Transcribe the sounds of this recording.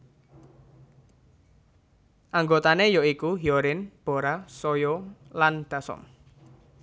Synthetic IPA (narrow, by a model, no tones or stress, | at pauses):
ʔaŋɡot̪anejɔikuɦiɔɾɪnb̥o̤ɾasɔjɔland̪̥a̤sɔ̰m